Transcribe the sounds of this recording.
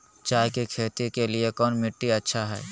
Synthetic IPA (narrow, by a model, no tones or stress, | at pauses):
t͡ʃaːɦkekʰeːt̪ikeliekɔːnmɪʈːiɐtːʃʰaɦɛ̰ː